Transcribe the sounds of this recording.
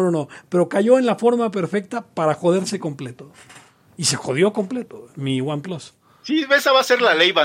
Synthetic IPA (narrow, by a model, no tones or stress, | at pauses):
nono̞pe̞ɾo̞kaʝo̞enlafo̞ɾmap̬e̞ɾfe̞k̚t̪apaɾaxo̞ð̞e̞ɾse̞ko̞mple̞t̪o̞ | ise̞xo̞ð̞jo̞ko̞mple̞t̪omiɣwamplos | siesaβaseɾlalejβa